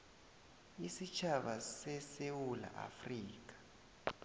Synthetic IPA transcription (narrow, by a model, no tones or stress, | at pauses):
isit͡ʃʰaɓasɛsewula̰ʔa̰friːk̬ʼḁ